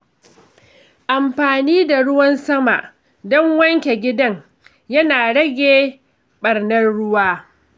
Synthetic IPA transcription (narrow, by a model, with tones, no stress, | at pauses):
ʔa˨mɸaː˨niː˦da˨ɽʊ˦wɐ˦nsɐ˦ma̰˨ʔ | dɔ˦ŋwɐ˦ŋkʲe˨ɡʲɪ˦dɐ˦ŋ | jɐ˦naː˨ɽɐ˦ɡʲeː˦ | ɓɐ˨rnɐ˦nɽʊ˦waː˦